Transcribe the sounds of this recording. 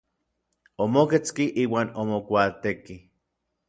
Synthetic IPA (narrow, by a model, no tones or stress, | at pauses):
omoket͡skiʔiːwaːnomokʷaːt̪eki